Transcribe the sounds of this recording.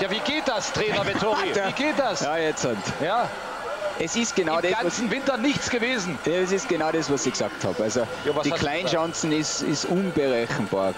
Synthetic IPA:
jaːviːɡeːt̚d̥astʁ̥ɛːnɐvɛtʰoʁiɡeːt̚d̥asjaːjɛt͡sʊntjaː | ɛsɪst̚ɡ̥enaʊdɛant͡sn̩vɪntɐnɪçt͡sɡ̥əveːzn̩jaɛs̬ɪst̚ɡ̥ənaʊɾɛsv̥asɪɡ̥sa̰ːk̚tha̰ːbalzo | dikʰl̥aɪnʃãnt͡sn̩ɪsɪ̰stʔʊnbəʁɛçn̩b̥a̰ː

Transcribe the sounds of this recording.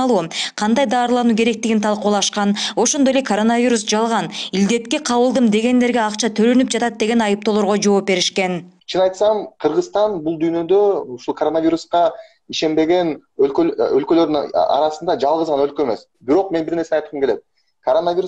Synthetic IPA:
lˠuːqʰɑnd̪ɑjd̪ɑːɾlˠɑnuːke̞ɾe̞k̚t̪iɡint̪ʰɑlˠquːlˠɑʃqɑno̞ʃo̞nd̪ojlekʰoɾo̞navʲiɾusd͡ʒɑlˠʁɑnild̪e̞t̪keqʰɑβɯlˠd̪ɯmd̪e̞ɡe̞nd̪e̞ɾɡe̞ɑqt͡ʃɑt̪ʰøɾønyp̚d͡ʒɑt̪ɑt̪̚d̪e̞ɡe̞nɑjɯp̚t̪o̞lˠo̞ɾʁod͡ʒo̞ːp̚be̞ɾiʃke̞nt͡ʃʰɯnɑjt̪sɑmqʰɯɾʁɯst̪ɑnbulˠd̪yːnø̞d̪øuʃulˠkʰoɾo̞naviɾusqɑ | iʃe̞mbe̞ɡe̞nølkøølkø̞lø̞ɾd̪yɑ̰ɾɑsɯnd̪ɑd͡ʒɑlˠʁɯzʁɑnø̞lkøeme̞s | biɾo̞q̚me̞nbiɾne̞ɾseɑjt̪ə̥mkelet̪̚ | kʰoɾo̞navʲiɾ

